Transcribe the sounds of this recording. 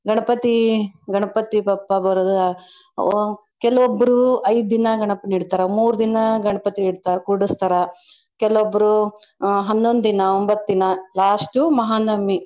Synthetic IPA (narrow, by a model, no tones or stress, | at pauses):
ɡɐɳɐpɐt̪iɡɐɳɐpɐt̪ipɐpːɐbɐɾɐd̪ | kɛlɐʋobːɐɾuɐjd̪d̪inɐɡɐɳɐpniɽt̪aːɾɐmuːɾud̪inɐɡɐɳɐpɐt̪iiɽt̪aːɾɐkuɽust̪aɾɐ | kɛlɐʋobːɐɾu | ɦɐnːond̪d̪inɐombɐt̪ːinɐlaːsʈumɐɦaːnɐmːi